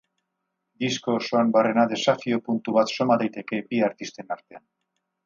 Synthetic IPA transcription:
d̪isko̞ːso̞ambare̞naðe̞safio̞punt̪uβat̪so̞maðajt̪e̞ke̞biaɾt̪ist̪e̞naɾt̪e̞an

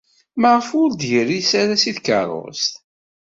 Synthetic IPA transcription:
məʁəfʊɾd̪ʝərːisaɾæsiðkə̰ɾˤo̰st̪

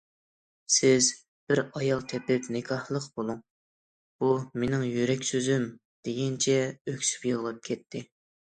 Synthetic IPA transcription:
sɪz | b̥ɪɾɑjɑlˠt̪ʰɛpɪpnɪkʰɑhlˠəqbolˠuŋ | b̥umenɪŋjyɾɛkʲsøzym | d̪̥eɡʲɛnt͡ʃʰɛøkʲsy̥pjolˠʁɑp̚kʲʰɛt̪ʰːɪ

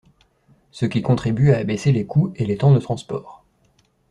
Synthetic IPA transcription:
səkʲikɔ̃t̪χibyaːbeselekʰuelet̪ɑ̃d̪ət̪χɑ̃spɔːʁ

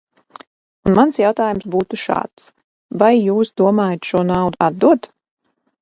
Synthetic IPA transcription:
unmansjawt̪aːjumsbuːt̪uʃa̰ːt̪s | vajːuːsd̪uɔmaːjat̪ʃuɔnawd̪uad̪̚d̪uɔt̪

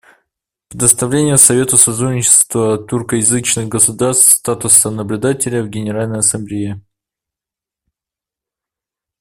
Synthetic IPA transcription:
pɾʲɪd̪əst̪ɐvlʲenʲɪjəsɐvʲe̞t̪ʊsɐt̪ɾunʲɪt͡ɕɪ̥st̪vət̪urkəjɪzɨt͡ɕnɨxɡəsʊd̪aɾst̪st̪at̪ʊsənəblʲʊd̪atʲɪlʲəvɡʲɪnʲɪɾalʲnəjɐsɐmblʲɪje

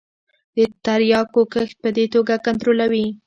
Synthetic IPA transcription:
d̪ət̪aɾjɑkokəx̚pəd̪et̪oɡakant̪ɾolawi

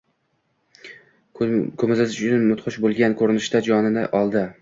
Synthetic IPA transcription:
kʰɵmɪzɪzɪʃʊt͡ʃɪnmʊt̪χʊʃbolˠɡʲankʰɵɾɪnɪʃt̪ad͡ʒɒnɪnɪ̰ʔɒlˠd̪ɪ

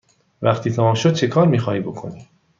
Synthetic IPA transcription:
væχt̪ʰiːt̪ʰæmɒmʃod̪̚t͡ʃʰe̞kʰɒːɾmiːxɒːhiːbokʰo̞̰niː

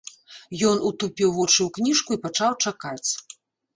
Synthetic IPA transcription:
jɔnut̪upʲiwvɔt͡ʂɨwknʲiʂkuipat͡ʂawt͡ʂakat͡sʲ

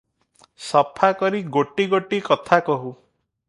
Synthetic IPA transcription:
sɔpʰakɔɾiɡoʈiɡoʈikɔt̪ʰakɔɦu

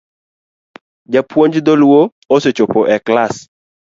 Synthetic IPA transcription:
d͡ʒapwoɲd͡ʒd̪ɔlwo | oset͡ʃopɔʔɛklas

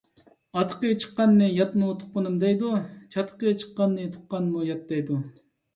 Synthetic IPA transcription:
ɑt̪ʰə̥qət͡ʃʰə̥qːɑnːɨjɑt̪mut̪ʰʊ̥ʊnɨmd̪ɛjd̪ut͡ʃʰɑt̪ʰə̥qət͡ʃʰə̥qːɑnːɨt̪ʰʊ̥q̚qɑnmujɑt̪̚d̪ɛjd̪u

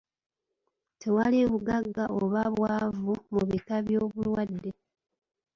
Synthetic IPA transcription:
tʰe̞waliβuɡaɡːaʔoβaβwaːvumuβitaβjo̞ːβulwadːe̞

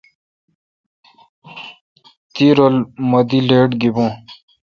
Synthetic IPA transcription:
t̪iɾolmɐd̪ileːʈɡibõː

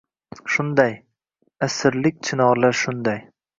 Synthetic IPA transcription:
ʃʊnd̪aj | asɪɾlɪk̚ʲt͡ʃʰɪnɒʁlaɾʃʊnd̪aj

